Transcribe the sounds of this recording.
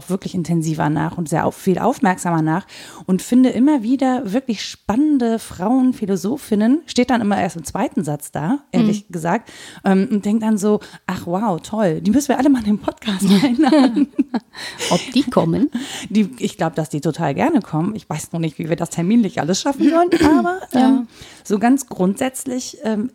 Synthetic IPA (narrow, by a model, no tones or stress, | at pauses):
aʊxv̥ɪɐklɪçɪntʰɛnziːvɐ̰na̰ːχʊntz̥eːɐʔa̰fiːlʔa̰ʊfmɛɐkz̥aːmɐnaːχʔʊntfɪndəʔɪmɐviːdɐvɪɐklɪçʃpanəndəfʁ̥aʊənfilozoːfɪnənʃteːt̚d̥anʔɪmɐʔeːɐstɪmt͡sv̥aɪtn̩zat͡sd̥aːʔeːɐlɪçɡ̥əzaːk̚tʔɛːmʊnt̚d̥ɛŋk̚td̥anzoːʔaχwaʊtʰɔld̥iːmʏsn̩viːɐʔaləmaːɪndeːmpʰɔtkʰaːstaɪnlaːdn̩ | ʔɔpd̥iːkʰɔmənd̥iːʔɪçɡ̥laʊbəd̥asd̥iːtʰotʰa̰ːlɡɛɐnəkʰɔmənɪçv̥aɪsnɔχnɪçtv̥iːviːɐdastʰɛɐmiːnlɪçʔa̰ləsʃafn̩zɔlənʔaːbɐʔɛːmz̥oːɡant͡sɡ̥ʁʊntz̥ɛt͡slɪçʔɛːm